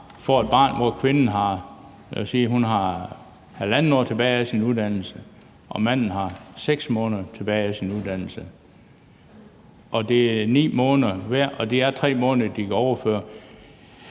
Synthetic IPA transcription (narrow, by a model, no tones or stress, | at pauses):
fɒe̝d̥̚b̥ɑ̰̈ːnʋɒkʰʋe̝nn̩ɦɑ̈ | siːɦunɦɑ̈ | hælænn̩ɒ̰ːt͡sʰe̝b̥ɛːɪæsinuðˠd̥æn̰l̩sə | ʔɒ̽mæn̰n̩ɦɑ̈seɡ̥smɔ̽ːnðˠɐt͡sʰe̝b̥ɛːɪæsinuðˠd̥æn̰l̩sə | ʔɒ̽d̥e̝ænḭːmɔːnðˠɐʋæɐ̰ɒ̽d̥e̝æɐt͡sʰʁɛ̰ːmɔ̽ːnðˠɐd̥ikʰæɒʊɐføːɐ